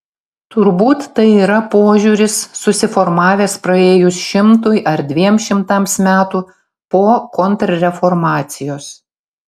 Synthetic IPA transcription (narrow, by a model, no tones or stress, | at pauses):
t̪ʊɾbuːt̪ːɐɪiːɾɐpoːʒʲuːɾʲɪsːʊsʲɪfɔɾmɑːʋʲeːspɾɐeːjʊsʃʲɪmt̪ʊjʔɐɾd̪ʲʋʲiɛmʃʲɪmt̪ɐmsmʲæːt̪uː | poːkɔnt̪ɾɐɾʲɛfɔɾmɑːt̪sʲɪjoːs